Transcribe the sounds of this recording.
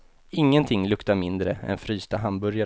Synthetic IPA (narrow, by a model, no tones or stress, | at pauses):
ɪŋːənt̪ʰɪŋːlɵkt̪aɾmɪnd̪ɾəɛ̰nfɾyːst̪aɦanbɵɾja